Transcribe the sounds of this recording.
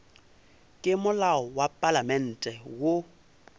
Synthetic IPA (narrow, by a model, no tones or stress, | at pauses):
kʼɪmʊlaɔwapʼalamɛn̩ːtʼɛwʊ